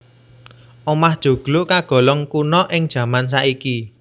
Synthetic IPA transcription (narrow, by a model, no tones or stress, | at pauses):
ʔɔmahd̥ʒ̥ṳɡ̥lʊʔkaɡ̥ɔ̤lɔŋkunɔʔɪŋd̥ʒ̥ä̤mans̬aʔiki